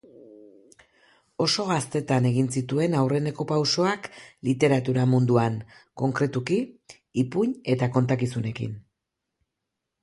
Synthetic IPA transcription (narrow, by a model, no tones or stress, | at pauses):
o̞so̞ɣast̪e̞t̪ane̞ɣ̞insit̪ue̞nawre̞ne̞ko̞pawso̞aklit̪e̞ɾat̪uɾamund̪uanko̞ŋkɾe̞t̪ukiː | puɲe̞t̪ako̞nt̪akisune̞kḭn